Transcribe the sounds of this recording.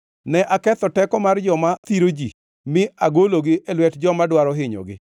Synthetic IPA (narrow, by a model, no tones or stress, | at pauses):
nɛʔakɛt̪ɔtɛkɔmard͡ʒɔmat̪iɾod͡ʒḭ | mɪaɡoloɡɪʔɛlwɛtd͡ʒɔmadwaɾɔɦɪɲo̰ɡɪ̰